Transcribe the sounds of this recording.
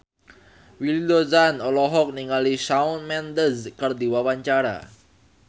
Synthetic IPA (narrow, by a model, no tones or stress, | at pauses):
wildɔzanɔlɔɦɔk̚niŋalisaunmɛnd̪əskərd̪iwawaɲt͡ʃaɾa̰